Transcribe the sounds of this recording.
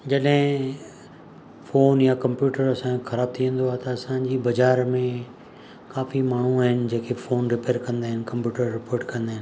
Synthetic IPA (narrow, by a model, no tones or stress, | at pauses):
d͡ʑɐɗɦɪ̃ | foːnjakɐ̃mpjuːʈəɾɐsãexɐɾaːb̚t̪ʰiʋə̃n̆d̪oaːt̪ɐɐsãd͡ʑiːbɐzaːɾmẽ | kaːfimaːɳ̤uaːɦɪnɪ̆d͡ʑeːkʰefoːnɾɪpeːɾkɐ̃nd̪aːɦɪnɪ̆kɐ̃mpjuːʈəɾːɪpoːɾʈkɐ̃nd̪aːɦɪn